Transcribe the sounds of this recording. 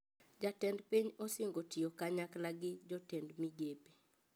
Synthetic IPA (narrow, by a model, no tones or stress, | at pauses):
d͡ʒatɛndpiɲɔsɪŋɡotɪokaɲaklaɡɪd͡ʒɔtɛndmid͡ʒepe̥